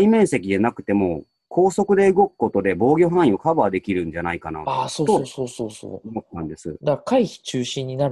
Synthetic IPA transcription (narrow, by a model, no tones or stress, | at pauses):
imẽ̞ɰ̃se̞kʲid̪enakɯ̟̥t̪e̞mo̞ | kʰo̞ːso̞kɯ̟d̪e̞ɯ̟ɡo̞kɯ̥ko̞t̪o̞d̪e̞bo̞ːɡʲo̞ɦãɰ̃ĩokabɯad̪e̞kʲiɾɯ̟̃ɲ̟d͡ʑanaikana̰asoːt̪ooːsoːso̰ːomot̪ːãnd̪e̞sɨ̰d̪akaiçi̥t͡ɕɨːɕĩɲ̟ːinaɾ